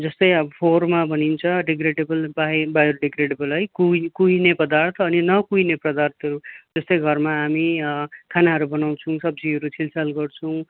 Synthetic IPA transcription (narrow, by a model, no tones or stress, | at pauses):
d͡zʌst̪ʌjʌbpʰormabʱʌnint͡sʰʌɖeɡreɖebʌlbabajɾuɖeɡɾeɖebʌlɦʌjkukuinepʌd̪art̪ʰʌːninʌkuineprʌd̪art̪ʰʌɾud͡zʌst̪ʌjɡʱʌrmaːmikʰanaɦʌɾubʌnaw̃t͡sʰʌw̃sʌb̚d͡ziɦʌɾut͡sʰilsʌlɡʌrt͡sʰʌw̃